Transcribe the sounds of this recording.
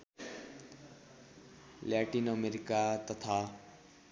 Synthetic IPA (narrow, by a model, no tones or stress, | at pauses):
laʈinʌmeɾikat̪ʌt̪ʰa